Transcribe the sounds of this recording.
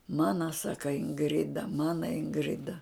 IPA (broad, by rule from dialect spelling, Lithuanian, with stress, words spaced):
ˈmɑːnɐ ˈsɑːkɐ ɪŋˈɡrʲɪdɐ ˈmɑːnɐ ɪŋˈɡrʲɪdɐ